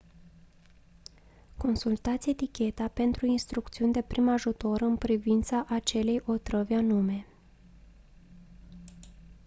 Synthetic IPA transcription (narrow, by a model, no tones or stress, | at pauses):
ko̞nsult̪at̪siet̪ikʲe̞t̪ape̞nt̪ɾuinst̪ɾukt̪siunʲd̪e̞pɾimaʒut̪o̞ɾɨnpɾivint̪saʔat͡ʃe̞le̞jʔo̞t̪ɾəvʲanume̞